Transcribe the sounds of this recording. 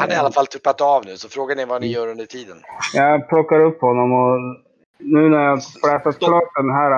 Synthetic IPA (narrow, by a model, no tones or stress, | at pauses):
hanaɾalːafalt̪ʰɵpːat̪avnʉ̟ːsɔfɾoːɡanɪvanɪjœːɾɵnd̪əʈʰiːd̪ənjɑɡpʰlɔkːaɾɵpːhɔnːɔmɔ | nʉ̟ːnæɾjaɡflɛːsat̪kʰlɑːt̪̚ɛnɦæːɾ